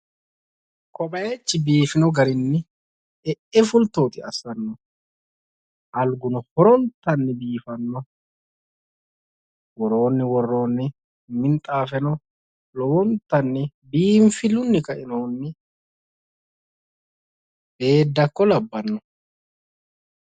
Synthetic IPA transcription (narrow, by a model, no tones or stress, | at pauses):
kʰɔbɐjɛt͡ʃːɪbiːfɪnɔɡɐɾɪnːɪ | ɛʔɛfʊlt̪oːt̪ʼɪɐ̰sɐnːɔ | ʔɐlɡʊnɔhɔɾɔnt̪ːɐnːɪbiːfɐnːɔ | wɔɾo̞ːnːɪwɔrːo̞ːnːɪ | mɪnt̪ʼaːfɛnɔ | lɔwɔnt̪ːɐnːɪbiːmfɪlʊnːɪkɐʔɪnoːnːɪ | b̥e̞ːd̪ːɐkːɔlɐbːɐnːɔ